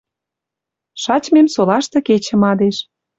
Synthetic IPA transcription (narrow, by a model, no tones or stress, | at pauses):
ʃɑt͡ɕmemsolɑʃt̪ɤ̆ket͡ɕə̆mɑd̪eʃ